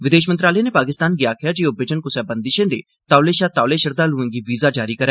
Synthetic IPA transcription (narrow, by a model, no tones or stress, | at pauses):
ʋɪd̪eːʃmənt̪ɾaːləjẽːnepaːkɪst̪aːnɡjaːkʰɪjaːd͡ʒioːbɪd͡ʒənkʊsɛːbənd̪ɪʃẽːd̪ḛː | t̪aːleːʃat̪aːleːʃəɾd̪aːluẽːɡiʋiːzaːd͡ʒaːɾiːkəɾɛ̃ː